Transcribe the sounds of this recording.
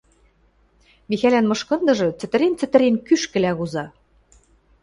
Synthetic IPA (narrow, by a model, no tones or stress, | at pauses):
mixælænmɤ̆ʃkɤ̆nd̪ɤ̆ʒɤ̆t͡sɘ̆t̪ɘ̆ɾent͡sɘ̆t̪ɘ̆ɾenkyʃkɘ̆læɣuzɑ